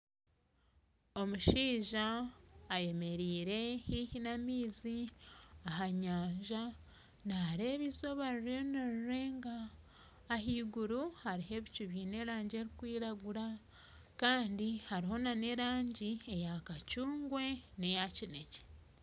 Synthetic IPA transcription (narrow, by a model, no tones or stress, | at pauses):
o̞muʃiːʒaː | je̞me̞ɾiːɾe̞hihinamiːziaɦaɲaːɲʒa | naɾe̞βiso̞βaɾiɾonaɾuɾe̞ːŋɡaː | ɦiːɡuɾuhaɾiɦe̞βicuβjine̞ɾaːɲɟe̞ɾikwiːɾaɡuɾa | kaːndihaɾiho̞nane̞ɾaːɲɟie̞jakacuːŋɡwe̞ne̞jacine̞ce̥